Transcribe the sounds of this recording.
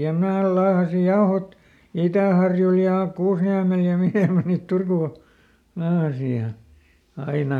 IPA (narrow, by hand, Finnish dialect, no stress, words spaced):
jɑ mnæː lɑːhɑsi jɑohot itæˑhɑrjul jɑ kuːsniæmel jɑ miheˑ mæ niːt turkuˑ lɑːhɑsi jɑ ɑinɑ